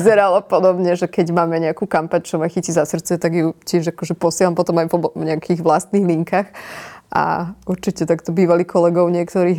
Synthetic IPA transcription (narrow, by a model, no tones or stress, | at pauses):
zɛɾalɔpɔd̪ɔbɲɛʒɛkɛɟmaːmɛɲɛakuːkampaɲt͡ʃɔmaxicizasr̩t̪t͡sɛt̪aɡjucɪɛʒakɔʒɛpɔsɪɛlampɔt̪ɔmajɔɲɛakʰiɣʋlast̪niːɣliŋkaxʔa̰uɾt͡ʃicɛt̪akt̪ɔbiːʋaliːkʰɔlɛɡɔʊɲɪɛkt̪ɔɾiː